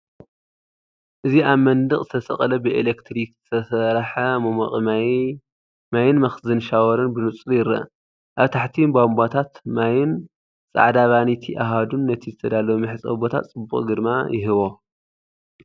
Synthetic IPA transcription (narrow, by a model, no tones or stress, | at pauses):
ʔɨziaβmɐnd̪ɨχʼzɨt̪ʰɐsɐχʼɐlɐbɨʔelekt̪ʰɾikzɨ̥t̪ʰɐsɐɾħamomɐ̰χʼm | majɪnmɐxzɨnʃawɐɾɨnbɨnut͡sʼljɪɾɐ̰ | ʔaβt̪ʰaħt̪ʰibambat̪ʰat̪majɪn | t͡sʼa̰ʕd̪aβanit̪ʰiʔaɦad̪unːɐt̪ʰizɨt̪ʰɐd̪alɐwmɨħɨt͡sʼɐ̰bot̪ʰa̰t̪t͡sʼɨbːuχʼɡɨd̪ma̰jɪɦɨβo